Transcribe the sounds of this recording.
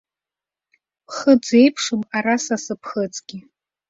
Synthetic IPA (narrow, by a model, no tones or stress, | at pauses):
pʰχəd͡ze̞jpʰʂɨmarasasɨpʰχət͡sʼɡ̥ʲi